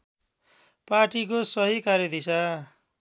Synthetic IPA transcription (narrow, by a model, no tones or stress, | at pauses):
parʈikosʌɦikaɾjʌd̪isa